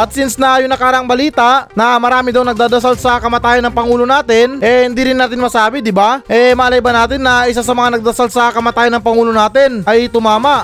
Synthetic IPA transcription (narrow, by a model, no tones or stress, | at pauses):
ʔɐt̪̚sɪnsnɐjʊŋnɐkaːɾɐʔɐŋbɐliːt̪aʔnɐmɐɾaːmɪd̪ɐwnɐɡ̚d̪aːd̪ɐsalsɐkɐmat̪aːjɐnːɐŋpɐŋuːlonaːt̪ɪnʔɛhɪnd̪iɾɪnːaːt̪ɪnmɐsaːbɪd̪ɪbaʔɛmaːlɐjbɐnaːt̪ɪnːɐɪs̬asɐmɐŋanɐɡ̚d̪ɐsalsɐkɐmat̪aːjɐnːɐŋpɐŋuːlonaːt̪ɪnʔɐjt̪ʊmaːmɐʔ